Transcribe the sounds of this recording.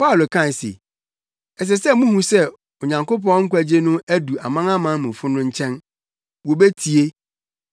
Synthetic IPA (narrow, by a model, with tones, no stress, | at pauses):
pa˦ʊ˨lo˨kʰã˦˨n˨sḛ˨ | ɛ˨s̬ɛ˨sɛ˦mũ˦hũ˦sɛ˦ | o˨ɲã˨ŋko˦p̬ɔ̃˦ŋ̩˦kʷʰæ˦d͡ʑe˦nʊ̃˦æ˦du˨a˨mã˦ŋã˦mã˨˦mũ˨fʊ˦nʊ̃˦ɲ̩˦t͡ɕʰɛ̃˦n | wo˨be˦tʰi˨e˦